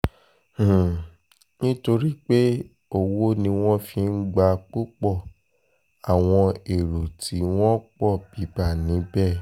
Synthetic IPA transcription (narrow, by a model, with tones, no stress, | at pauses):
nĩ˦to˧ɾi˦k͡pe˦ | o˦˨wo˦nĩ˧w̃ɔ̃˦fĩ˧n̩˦ɡ͡ba˧k͡po˦k͡pɔ˦˨ | a˨w̃ɔ̃˧e˨ɾu˨tʰi˨˦w̃ɔ̃˦k͡pɔ˦˨b̥i˨˦ba˦˨nĩ˨˦bɛ˦˨